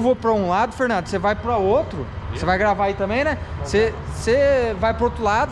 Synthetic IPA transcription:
vopɾɐũlad̪ʊfeɾnɐ̃nd̪ʊsevajpɾɐot̪ɾʊsevajɡɾavaait̪ɐ̃mbẽj̃nɛsesevajpɾɐot̪ɾʊlad̪ʊ

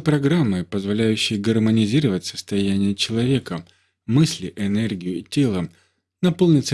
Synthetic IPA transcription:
pɾɐɡɾamːɨpəzvɐlʲæjʉɕːɪjəɡərmənʲɪzʲiɾəvətʲsəst̪ɐjænʲɪjət͡ɕɪlˠɐvʲe̞kə | mɨsʲlʲɪʔɪnɛrɡʲɪjʊitʲe̞lˠə | nɐpolˠnʲɪt̪sə

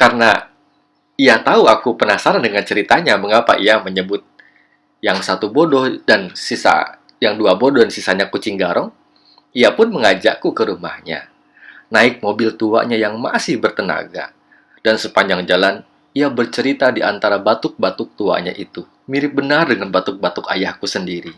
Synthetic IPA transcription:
karna | iat̪auakupənasaɾandəŋant͡ʃəɾit̪aɲaməŋapa̰ʔiaməɲəbʊt̪̚ | jaŋsat̪ubodɔhdansisa̰ | jaŋduabodɔhdansisaɲakut͡ʃɪŋɡaɾʔɔŋ | iapʊnməŋad͡ʒa̰ʔkukəɾuma̰hɲa̰ | naɪk̚mobɪlt̪ua̰ʔɲajaŋma̰sɪhbərt̪əna̰ɡa̰ | d̥ansəpaɲd͡ʒaŋd͡ʒalan | iabərt͡ʃəɾit̪adiʔant̪aɾabat̪ʊk̚bat̪ʊk̚t̪ua̰ʔɲa̰ʔit̪u | miɾɪp̚bənardəŋanbat̪ʊk̚bat̪ʊka̰jahkusəndiɾi

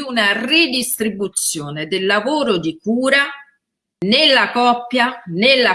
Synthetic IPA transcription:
unarid̪ist̪ɾibut̪sːjoːned̪elːavoːɾʊd̪ikuːɾa | nelːakɔpːjanelːa

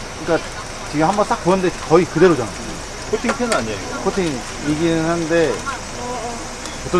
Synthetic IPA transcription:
kɯnɲik͈a | t͡ɕiɡɯmhambʌnt͈ak̚ponde̞kʌikɯde̞ɾod͡ʑanae | kʰotʰiŋtʰenɯnaɲiakʰotʰiŋ | iɡinɯnɦannde̞ | ʌt͈ʌ

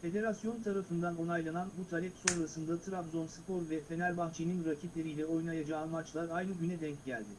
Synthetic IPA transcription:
fe̞d̪e̞ɾasjo̞nt̪ʰaɾafɯnd̪ano̞najlˠananbut̪ʰaɾʲɛpso̞nɾasɯnd̪at̪ʰɯɾabzo̞nsɯ̥pʰo̞ɾvɛfe̞nælʲbaxt͡ʃʰejninɾacʰit̪lʲe̞ɾijlʲɛo̞jnajad͡ʒaːnmat͡ʃlˠaɾajnɯɟynɛd̪ɛɲcɟælʲd̪ɪ

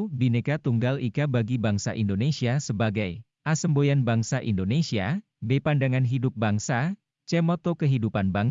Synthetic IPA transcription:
binekat̪uŋɡalikabaɡibaŋsa̰ʔindonesiasəbaɡaj | ʔasəmbojanbaŋsaʔḭndonesia | depandaŋanɦidʊp̚baŋsa | t͡ʃɛmɔt̪okəɦidupanbaŋ

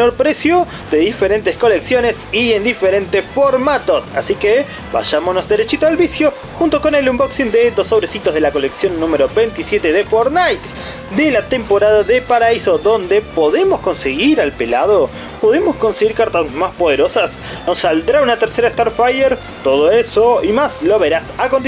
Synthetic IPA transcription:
meno̞ɾpɾe̞sjo | ðe̞ðifeɾent̪esko̞leksjo̞nesiend̪ifeɾent̪esfo̞ɾmat̪o̞sa̰sike | ba̰ʃamonozðeɾet͡ʃit̪oalβisjo̞ | xunt̪o̞konelumboksind̪ed̪oso̞βɾesit̪ozðelako̞leksjo̞nːũmeɾo̞βejnt̪isjet̪eðefoɾnajt̪ | d̪elat̪empo̞ɾað̞aðepaɾaiso̞ðo̞nd̪e̞po̞ðemosko̞nseɣiɾalpe̞la̰ð̞o | po̞ð̞e̞mo̞sko̞nse̞ɣiɾkaɾt̪asmaspoð̞e̞ɾo̞sas | no̞sːald̪ɾaunat̪eɾseɾaest̪aɾfajeɾ | t̪o̞ð̞oeso̞imaslo̞βe̞ɾasakont̪i

